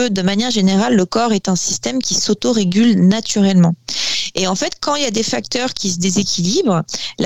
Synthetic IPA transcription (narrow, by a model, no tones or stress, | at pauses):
ød̪əmanjɛʁʒeneʁalːəkɔʁɛt̪ɛ̃sist̪ɛmkʲisot̪oʁeɡʲylnat̪yʁɛlmɑ̃eɑ̃fɛt̪kɑ̃iljad̪efak̚t̪œʁkʲisəd̪ezekʲilibʁla